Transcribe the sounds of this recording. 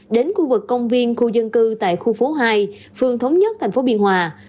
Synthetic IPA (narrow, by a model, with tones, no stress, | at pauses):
ɗe˨˦nxu˧vɨ˨˩kːə˧wŋ͡mvi˧ənxu˧zə˧nkɨ˧t̪a̰ː˧˨jxu˧fo˨˦ɦaː˧j | fɨ˧əŋt̪ʰə˨˦wŋ͡mɲə˦˥t̪ʰɛ˨˩ŋ̟fo˨˦ɓi˧ənɦwaː˨˩